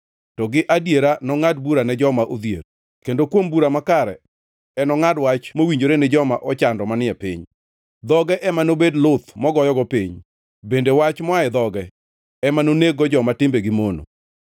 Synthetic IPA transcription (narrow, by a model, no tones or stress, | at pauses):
tɔɡɪʔadjeɾanɔŋad̚buɾanɛd͡ʒɔmaʔod̪jḛɾ | kendokwombuɾamakaɾɛ | ɛnɔŋadwat͡ʃmowiɲd͡ʒoɾenɪd͡ʒɔmaʔɔt͡ʃandɔmanɪɛpḭɲ | d̪ɔɡɛʔɛmanobedlʊt̪mɔɡɔjɔɡɔpiɲ | bendewat͡ʃmɔaɛd̪ɔɡɛ | ɛmanoneɡɔd͡ʒɔmatɪmbeɡɪmono̰